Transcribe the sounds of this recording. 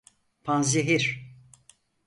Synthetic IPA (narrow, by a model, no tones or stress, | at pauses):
pʰanzeɦiɾ̥